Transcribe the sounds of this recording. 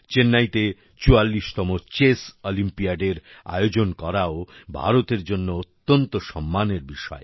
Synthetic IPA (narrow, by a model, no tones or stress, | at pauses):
t͡ɕenːajt̪e | t͡ɕualːiʃt̪ɔmot͡ɕesolimpiaɖeɾa̰jod͡ʑonkɔɾaobʱa̰ɾot̪eɾd͡ʑonːoot̪ːont̪oʃɔmːaneɾbiʃɔ̰e